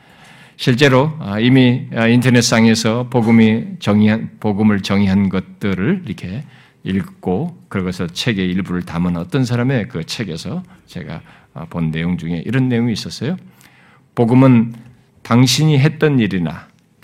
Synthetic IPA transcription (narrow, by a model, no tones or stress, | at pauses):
ɕʰiɭt͡ɕ͈e̞ɾoimiintʰʌne̞t̚s͈aŋe̞sʰʌpoɡɯmit͡ɕʌŋiapoɡɯmɯɭt͡ɕʌŋiɦanɡʌt̚t͈ɯɾɯɭiɾʌkʰe̞ | iɭk͈okɯɾʌɡʌsʰʌt͡ɕʰe̞ɡe̞iɭbuɾɯɭtamɯnʌt͈ʌns̬ʰaɾame̞kɯt͡ɕʰe̞ɡe̞sʰʌt͡ɕe̞̰ɡa̰ | ponːe̞joŋd͡ʑuŋe̞̰ʔiɾʌnːe̞joŋiːs͈ʌs͈ʌjo | poɡɯmɯn | taŋɕʰiɲiɦe̞t̚t͈ʌniɾina̰